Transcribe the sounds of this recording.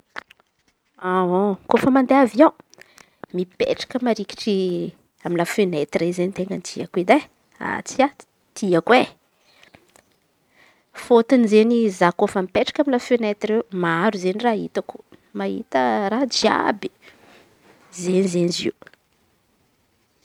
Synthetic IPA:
aokofəmand̪eavio | mipḛʈ͡ʂḁkəmaɾiki̥ʈ͡ʂi | amilafenet̪rezenit̪eŋɡənt̪iakwed̪e | a̰t͡siḁ | t̪iəkwe | fot̪unizenizakofəmipeʈ͡ʂḁkamilafenet̪ireumaaɾuzenirait̪aku̥maɦḭt̪əɾad͡ʒia̰bi̥ | zenizenizḭw

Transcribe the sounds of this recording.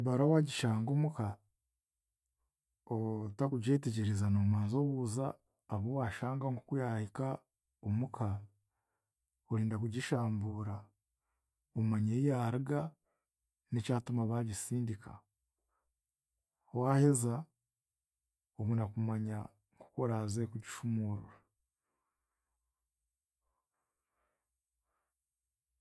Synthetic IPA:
baɾawaɟiʃaːŋɡomuka | otakuɟe̞ːteɟeɾezanomaːnzoβuːzaː | βowaʃaːŋɡaŋɡokujahika | omukʰa | oɾiːndakuɟiʃaːmbuːɾa | omaɲeijaɾiɡa | nicaːtumaβaβisiːndika̰ | waːheza | oβunakumaɲa | ŋɡo̥koɾazekuɟiʃumuɾṵɾa

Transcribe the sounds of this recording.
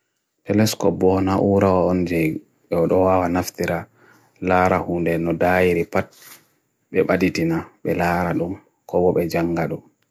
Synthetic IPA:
tɛlɛskɔpːɔnaʔuɾawaɔnd͡ʒɛ | ɓɛɔɗɔwawanaftiɾa | laːɾahundɛnɔdajiɾipat̚ | ɓɛɓaditinaɓɛlaːɾaɗum | kɔbɔɓɛd͡ʒaŋɡaɗum

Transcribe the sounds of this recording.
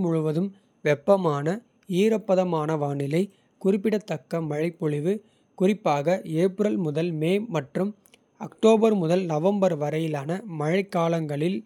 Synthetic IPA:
mʊɻʊʋɐðɯm | ʋɛpːɐmaːnɐ | iːɾɐpːɐðɐmaːnɐʋaːɳɪlɐɪ | kʊrɪpːɪɽɐt̪ːɐkːɐmɐɻɐɪpːɔɭɪʋɯ | kʊrɪpːaːɣɐeːpɾɐlmʊðɐlmeːmɐʈrɯm | ɐkʈoːbɐɾmʊðɐlnɐʋɐmbɐɾʋɐɾɐjɪlaːnɐmɐɻɐɪkːaːlɐŋɡɐɭɪl

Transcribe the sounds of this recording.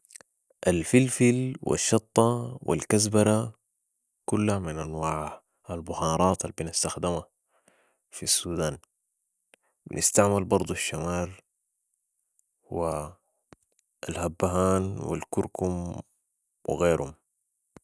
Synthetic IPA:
ʔalfilfilwḭʃːɑt̪ˤːɑwḭlkazbɑɾˤa | kulːahamɪnʔanwaːʕ | albʊhɑːɾˤɑːt̪albinast̪axd̪ɪma | fisːuːd̪aːn | bɪnʔɪ̰st̪aʕmalbɑɾˤd̪ˤuʃːamaːɾ | wi | alhabːaɦaːnwḭlkʊɾkum | wɪ̰ɣeːɾhum

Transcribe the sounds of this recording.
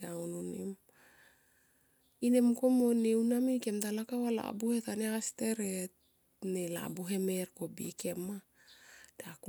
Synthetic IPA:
awnunem | ine̞mko̞mo̞newnamike̞mtalakawala̰buhe̞taneaste̞ɾet | nela̰buɦe̞me̞ɾko̞bieke̞ma | d̥eak

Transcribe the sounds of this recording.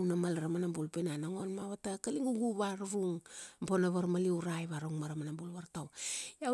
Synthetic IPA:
wnamalɾamanambulpenanaŋo̞nmaβatakaliŋuɡuβaɾɾuŋponaβaɾmaliwɾajβaɾaŋmaɾamanambulβaɾtawa

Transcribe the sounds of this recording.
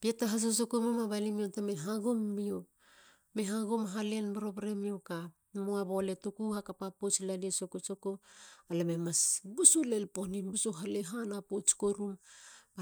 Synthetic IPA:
pietaɦas̬os̬okomomaβalimiontameɦaɡomːio | meɦaɡomɦale̞nbɾoβɾemioka | moaβole̞tokuhakapapot͡ʃlaniesokosokoalememasbusulelponibusuɦaleɦanapot͡ʃkoɾuma

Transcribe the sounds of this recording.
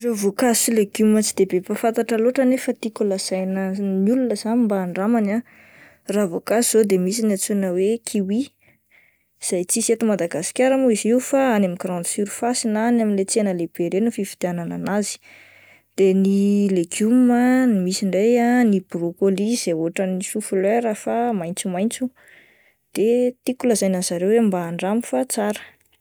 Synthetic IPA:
reavokazileɡumət͡sid̪ebepafant̪aʈ͡ʂəloʈ͡ʂanefət̪ikulaz̥ajnənulunəz̥animbaːɳɖ͡ʐamana | ravokasiz̥od̪emisinat͡sunəwekʰiwi | z̥ajt͡siset̪umad̪aɡasi̥kʲaɾamuiziwfaanamikɾɔ̃nd̪siɾu̥fasinanaminlet͡senəleb̥eɾenufifi̥d̪̥anananazi̥ | d̪̥enileɡumənimisiɳɖ͡ʐejaniburokoliz̥eoʈ͡ʂənisufuleɾafamajnt͡sumajnt͡su | d̪̥et̪ikuləzajnazaɾewembaːɳɖ͡ʐamifat͡saɾə̥

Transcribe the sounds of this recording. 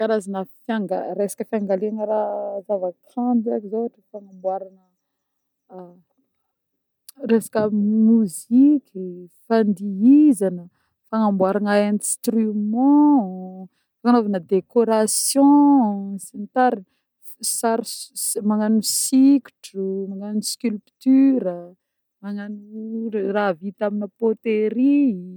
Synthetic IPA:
kaɾazanəfaŋɡaɾesḁkəfiaŋɡaleaŋəɾazavəkãmbakizoaʈ͡ʂəfaŋambwaɾanə | resḁkəmuzikʲifand̪iizanə | faŋambwaɾanaẽnst̪rymɑ̃ | fanovanəd̪ekoɾasjɔ̃sint̪aɾin | saɾmaŋanusikʲu̥ʈ͡ʂumaŋanuskʲylpt̪yɾə | maŋanuravit̪aminəpot̪eɾi

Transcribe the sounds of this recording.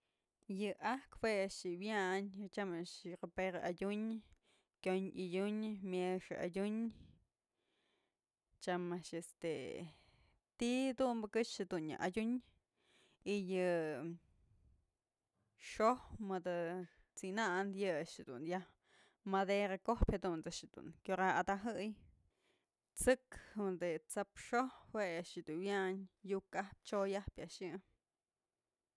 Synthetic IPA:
jɨʔakpeʃt͡ʃibjaʔnt͡ʃamaʃqapeɾaʔajuɲ | kʲjonʔijuɲmjeʃʔa̰juɲ | t͡ʃamaʃest̪e | t̪id̪umbəkɨt͡ʃːd̪unja̰ʔajuɲ | ijɨ | ʂohmɨd̪ɨ | t͡sinaʔnd̪jɨaʔʃhed̪ṵnjah | mad̪eɾakohphed̪unt͡saʔʂɨd̪ṵnkʲjoɾaad̪aɦɨj | t͡sɨkhɨnd̪ɨt͡sapʂohweaʔʂjɨd̪unwjaɲjukahp̚t͡ʃojahpʲjaʔʂjɨ

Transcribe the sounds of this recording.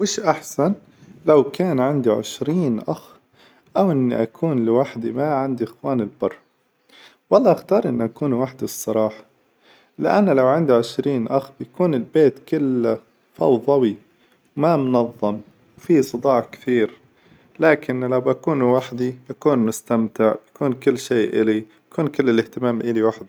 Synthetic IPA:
wɪːʃʔaħsan | lawkaːnʕɪnd̪iʕɪ̰ʃɾiːnʔax | ʔawʔɪnːiʔakʰuːnlɪwaħd̪imaʕand̪iʔɪxwaːnɪlbɑrˤː | wɑlˤːɑːʔaxt̪ɑːɾˤʔɪnːʔakuːnwaːħd̪isˤːɑɾˤɑːħɑ̥ | lɪʔanːalawʕɪnd̪iʕɪʃɾiːnʔaxbjakuːnɪlbeːt̪kɪlː | fɑ̰wðˤɑwi | wmamʊnɑðˤːɑm | wfisˤɨd̪ˤɑːʕkθiːɾ | laːkɪnlawbakuːnwaħd̪ibakuːnmʊst̪amt̪ɪʕbakuːnkɪlːʃeːʔɪlijakuːnkɪlːɪlɪht̪ɪmaːmʔɪliwaħd̪i

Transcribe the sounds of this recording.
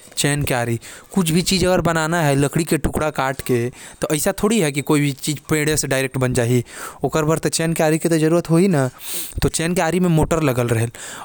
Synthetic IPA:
t͡ʃɛːnkeaːɾikʊt͡ʃʰbʱit͡ʃiːd͡ʒɐɡəɾbɐnaːnaɦɛlɐkɽikeʈʊkɽakaːʈket̪oʔɐɪsat̪ʰoːɽiɦɛk̬ikoːibʱit͡ʃiːd͡ʒpẽːɽeseɖaːɪɾek̚ʈbɐnd͡ʒaːɦiʊkəɾbəɾt̪et͡ʃɛːnkaːɾikit̪od͡ʒɐɾuːɾət̪ɦoinat̪ot͡ʃɛːnkeaːɾimẽmoːʈəɾlɐɡəlɾɐɦel

